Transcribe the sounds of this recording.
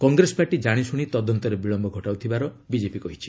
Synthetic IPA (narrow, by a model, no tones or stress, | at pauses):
kɔŋɡɾesɔ̥paɾʈid͡ʒaɽ̃isuɽ̃it̪ɔd̪ɔnt̪ɔɾebiɭɔmbʱɔɡʱɔʈawt̪ʰibaɾɔ | bid͡ʒepikɔɦit͡ʃʰi̥